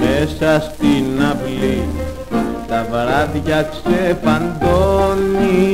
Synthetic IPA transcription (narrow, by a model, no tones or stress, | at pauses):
mesast̪inapli | t̪avɾaðʝaksefand̪oni